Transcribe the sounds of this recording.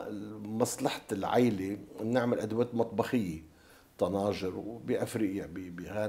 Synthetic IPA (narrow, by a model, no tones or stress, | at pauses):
mɑsˤlɑħḁlʕa̰jlenɪʕmɪlʔad̪waːt̪mɑt̪ˤbɑxɪjːe | t̪ɑnɑːʒɪɾbiʔafɾiːʔjabibiɣaː